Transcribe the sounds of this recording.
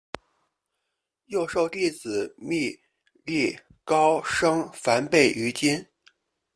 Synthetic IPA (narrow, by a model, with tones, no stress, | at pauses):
jo˥˧ʊʂo˥˧ʊt̪i˥˩t͡sɹ̩˨˩mi˥˧ | li˥˩ | kɑ˥ʊʂɤ˥ŋfa˧˥npe˥˩ɪʔy˧˥t͡ɕi˥n